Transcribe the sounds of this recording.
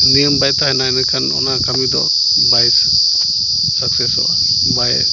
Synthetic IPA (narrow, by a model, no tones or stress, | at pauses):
nijəmbajt̪ahɛnajnɛkʰanɔ̰nakʰamid̪ɔ̰ | bajtʰɛ̥ | satʰɛsɔ̰ba̰ | bajɛ̰